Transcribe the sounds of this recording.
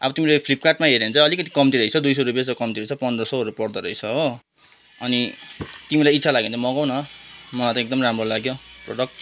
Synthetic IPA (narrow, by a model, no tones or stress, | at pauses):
ʌbʌt̪imilepʰlip̚kaʈmaɦeɾint͡sʌʌlikʌt̪i̥kʌmt̪iɾʌjt͡sʰʌd̪ujsʌɾubesʌkʌmt̪iɾʌit͡sʰʌpʌnd̪rʌsʌɾuppʌrd̪ʌɾʌjt͡sʰʌɦo | ʌnit̪imilajit̪ːsʰalaɡẽnt͡sʰʌ̃mʌɡʌw̃nʌmʌlat̪ʌek̚d̪ʌmɾamrolaɡjoproɽʌk̚ʈ